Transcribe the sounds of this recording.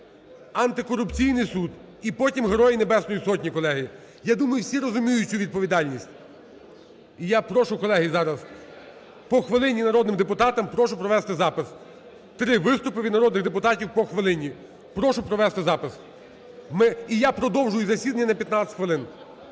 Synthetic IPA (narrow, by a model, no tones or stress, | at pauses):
ɐnt̪ɪkɔɾʊpt͡sʲijnɪjsud̪ | ipɔtʲimɦɾɔjinebɛsnɔjisɔtʲnʲikɔlˠɛɦɪ | jad̪umɐjʊwsʲiɾɔzʊmʲijʊt͡sʲuʋʲid̪̚pɔʋʲid̪ɑlʲnʲisʲtʲ | ijapɾɔʃʊkɔlˠɛɦizɑɾɐs | pɔxʋɪlˠɪnʲinɐɾɔd̪nɪmd̪epʊt̪ɑt̪ɐmpɾɔʃʊpɾɔʋɛst̪ɪzɑpɪs | t̪ɾɪʋɪst̪ʊpɪʋʲid̪nɐɾɔd̪nɪɣd̪epʊt̪ɑtʲiwpɔxʋɪlˠɪnʲi | pɾɔʃʊpɾɔʋɛst̪ɪzɑpɪs | mɪijapɾɔd̪ɔwʒʊjʊzɐsʲid̪ɐnʲːɐnɐpʲjɐt̪nɑɪ̥t̪ʲxʋelˠɪn